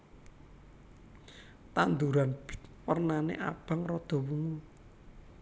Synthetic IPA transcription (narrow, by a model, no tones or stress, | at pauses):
t̪and̪uɾanb̥̪wərnanḛʔab̥a̤ŋrɔd̪̥ɔ̤wuŋu